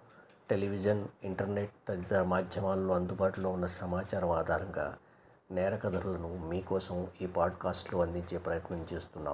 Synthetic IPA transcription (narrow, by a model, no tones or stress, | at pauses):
ʈeliʋid͡ʒɐniɳʈɐɾneʈ̚t̪ɐt̪it̪ɐmaːd̪ʱjɐmaːlloːɐnd̪ubaːʈulo̞ːunːɐsɐmaːt͡ʃaːɾɐmaːd̪ʱaːɾɐŋɡa̰ː | nɛːɾɐkɐd̪ʱɐɾulɐnumiːkɔːsɐmiːpaːɖkaːsʈloːɐnd̪iɲt͡ʃe̞ːpɾɐjɐt̪nɐmt͡ʃeːst̪unːa̰ːm